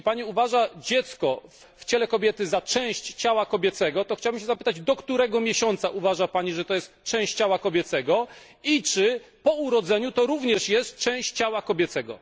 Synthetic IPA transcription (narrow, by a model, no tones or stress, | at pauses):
paɲiuvaʐad͡ʑɛt̪skɔ | ft͡ɕɛlɛkɔbʲjɛt̪ɘzat͡ʂɛ̃w̃ɕt͡ɕt͡ɕawakɔbʲɛt̪sɛɡɔt̪ɔxt͡ɕawbɘmɕ̬ɛzapɘ̥t̪ad͡ʑd̪ɔkt̪uɾɛɡɔmʲjɛɕɔnt̪saʔuvaʐapaɲiʐɛt̪ɔjɛst̪t͡ʂɛ̃w̃ɕt͡ɕt͡ɕawakɔbʲɛt̪sɛɡɔ | it͡ʂɘpɔuɾɔd̪zɛɲut̪ɔɾuvɲɛʂjɛst̪t͡ʂɛ̃w̃ɕt͡ɕt͡ɕawakɔbʲjɛt̪sɛɡɔ̰